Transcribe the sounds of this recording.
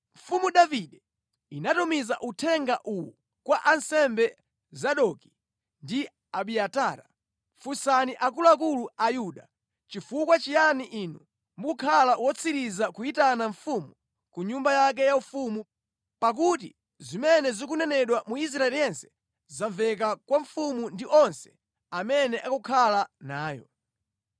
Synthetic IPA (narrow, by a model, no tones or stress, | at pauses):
ɱ̩fumuɗaviɗɛ | inatumizaʔutʰɛŋɡaʔuwɔ̰ | kwaʔansɛmbɛ | zaɗɔki̥ | ndi | aɓiataːɾa̰ | fusaniʔak̬uluakuluajuɗa | t͡ʃifukwat͡ʃijaniʔinu | mbukʰalawɔt͡sʰiɾizakuitanaɱfumu | kuɲumbajak̬ɛjaufumu | pak̬ut̬ḭ | zimɛnɛzɔkunɛnɛɗwamuis̬ɾaɛlijɛnsɛ̥ | zaɱvɛk̬akwaɱfumundiʔɔnsɛ̥ | amɛnɛʔakukʰalanaːjɔ̰